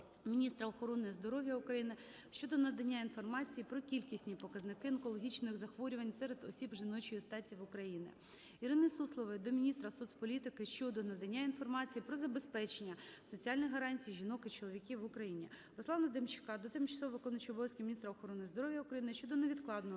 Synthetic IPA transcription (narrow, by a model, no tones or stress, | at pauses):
mʲinʲist̪ɾɐɔxɔɾɔnɪjzd̪ɔɾɔʋʲjɐʊkɾɐjinɪ | ʃt͡ʃɔd̪ɔnɐd̪ɐnʲːainfɔrmɑt͡sʲijipɾɔkʲilʲkʲisʲnʲipɔkɐznɪkɪɐnkɔlˠɔɦʲit͡ʃnɪxzɐxʋɔɾʲʊʋɐnʲsɛɾed̪ɔsʲibʒɪnɔt͡ʃɔjist̪ɑtʲiʋʊkɾɐjinɪ̰ | iɾɪnɪsuslˠɔʋɪd̪ɔmʲinʲist̪ɾɐsud̪spɔlʲit̪ɪkɪʃt͡ʃɔd̪ɔnɐd̪ɐnʲːainfɔrmɑt͡sʲijipɾɔzɐbespɛt͡ʃenʲːɐsɔt͡sʲiɑlʲnʲijɦɐɾɑnʲt͡sʲijʒʲinɔkɪt͡ʃɔlˠɔʋʲikʲiʋʊkɾɐjinʲi | ɾɔslˠɑnɐd̪emt͡ʃɪ̥kɑd̪ɔt̪ɪmt͡ʃɐ̥sˠɔʋʋɪkɔnɐt͡ʃɔbɔʋʲsʲkʲimʲinʲist̪ɾɐɔxɔɾɔnɪjzd̪ɔɾɔʋʲjɐʊukɾɐjinɪʃt͡ʃɔd̪ɔneʋʲid̪klˠɑd̪nɔɦ